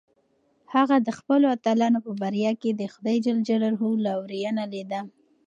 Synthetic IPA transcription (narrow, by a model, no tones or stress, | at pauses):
haɣad̪əxpəloat̪alɑnopəbaɾjɑked̪əxʊd̪ɑjd͡ʒald͡ʒaɽaɾɦulawɾijanaled̪a